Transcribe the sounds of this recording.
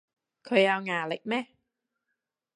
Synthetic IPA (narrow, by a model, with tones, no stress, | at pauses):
kʰɔ˧jaː˧wŋaː˨˩lə̰˨˩k̚mɛ˦˧˩